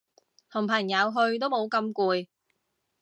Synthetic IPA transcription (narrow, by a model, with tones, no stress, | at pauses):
t̪ʰʊ˨˩ŋpʰɐ˨˩ŋjɐ˨˧˥wɦɵ˧ɥt̪̬o˥wmo˨˧wkɐ˧mkuː˧j